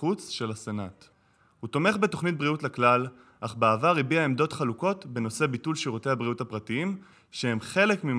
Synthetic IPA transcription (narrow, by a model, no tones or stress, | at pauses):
ut͡sʃe̞lasenat | hut̪o̞me̞χbe̞to̞χnit̚bʁiutlaklal | ʔaχbeavaʁibiaemdo̞tχaluko̞tbe̞no̞se̞bitulʃiʁute̞jhabʁiuthapʁatiim | ʃehemχe̞le̞kmim